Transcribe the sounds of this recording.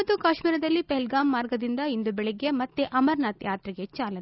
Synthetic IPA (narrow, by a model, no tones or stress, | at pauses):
ɐt̪ːukaːʃmiːɾɐd̪ɐlːipeɦɛlɡaːmːaːɾɡɐd̪ind̪ɐind̪ubɛɭeɡe̞mɐt̪ːeʔɐmɐɾnɐt̪jaːt̪ɾiɡe̞t͡ʃaːlɐ